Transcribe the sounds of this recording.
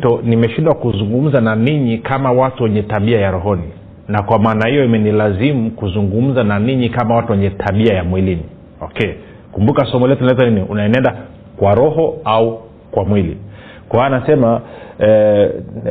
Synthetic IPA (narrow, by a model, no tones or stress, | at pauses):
tɔnimɛʃindwakuzuŋɡum̩zananiɲikamawatuwɛɲɛtaɓiajaɾɔɦɔni | nakwamaːnahijɔimɛnilazimukuzuŋɡum̩zananiɲikamawatuwɛɲɛtʰaɓiajamwilini | ɔkɛ | kumbukasɔmɔlɛtuinait̬aniniunaɛnɛnda | kwaɾɔɦɔau | kwamwilḭ | kwaanasɛmaɛ